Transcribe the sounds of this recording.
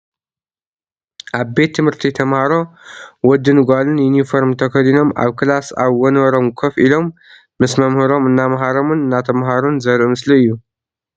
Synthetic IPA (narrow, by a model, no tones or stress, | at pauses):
ʔaβbe̞t̪ʰːɨmhɨɾt̪ʰit̪ʰɐmhaɾo̞wɔd̪ɨnɡʷalɨnjunifoɾmt̪ʰɐkɐlino̞ma̰βkʰɨlasa̰βwɔnwɐɾo̞mkʰofilo̞mː | ɨsmɐmhɨɾo̞mɨnːamɦaɾo̞mɨnɨnːat̪ʰɐmɦaɾunzɐɾʔmɨsliɨjːu